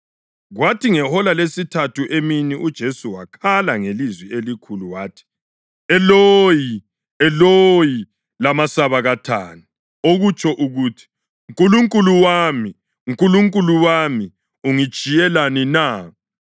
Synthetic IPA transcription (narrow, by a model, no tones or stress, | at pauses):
ɣwatʰiŋɛhɔlalesitʰatʰuʔeminiʔud̥ʒ̥ʱesuwakʰalaŋelizwielikʰuluwaːtʰi̥ | ɛloji | ɛloji | lamasaβaɣatʰa̰nu | oɣut͡ʃʰʼɔʔuɣuːtʰi̥ | ŋkʼuluŋkʼuluwami | ŋkʼuluŋkʼuluwami | uŋi̥t͡ʃʼijɛlanina